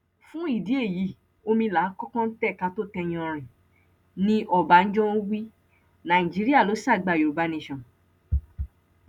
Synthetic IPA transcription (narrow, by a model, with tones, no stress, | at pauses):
fũ˦i˦˨di˨˦e˦˨ji˨˦˨ | o˧mĩ˧la˨˦kɔ˦kɔ̃˦n̩˦tɛ˦˨ka˧to˦tɛ˧j̃ɔ̃˧˨ɾ̃ĩ˨ | nĩ˧ʔɔ˦˨ba˨˦n̩˦d͡ʒɔ̃˦wi˦ | nã˨ĩ˨d͡ʒi˨˦ɾi˦a˦˨lo˨˦sa˦˨ɡ͡ba˨jo˨ba˨˦nĩ˧˨ʃã˨